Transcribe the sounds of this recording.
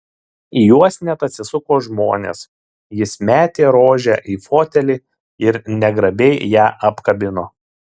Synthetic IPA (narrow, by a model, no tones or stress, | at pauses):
ijuɔsnʲɛt̪ɐt̪ʲsʲɪsʊkoːʒmoːnʲḛs | jɪsmʲæːt̪ʲeːɾoːʒʲɛʔiːfoːt̪ʲɛlʲiː | ɪɾnʲɛɡɾɐbʲɛɪjæːʔɐpkɐbʲɪnoː